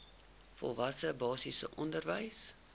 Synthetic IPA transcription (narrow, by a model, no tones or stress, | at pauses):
fɔ̰lˠvɐsəbɑːsisə̰ʔɔndərvəjs